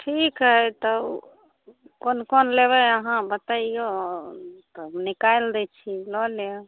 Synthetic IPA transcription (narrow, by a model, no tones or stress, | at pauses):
ʈʰikɦət̪ɔ | konkonleβəəɦãbət̪aio | t̪ɔnikajld̪ɛt͡ʃʰilɔlo